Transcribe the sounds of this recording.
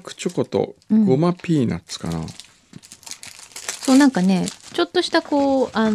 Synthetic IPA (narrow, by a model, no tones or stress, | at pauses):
kɯ̟̥t͡ɕoko̞t̪õ̰ɴɡo̞mapʲiːna̰t͡sɨ̥ka̰na̰ | so̞ːnãŋkane̞t͡ɕo̞t̪ːo̞ɕi̥t̪ako̞ːʔan